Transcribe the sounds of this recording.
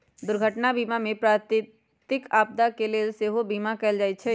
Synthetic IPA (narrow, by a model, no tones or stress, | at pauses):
d̪ʊɾɡʱəʈnabiːmamẽpɾaːt̪ | t̪ɪkaːp̚d̪akeleːlseɦobiːmakɛɪld͡ʒaːit͡ʃʰɛ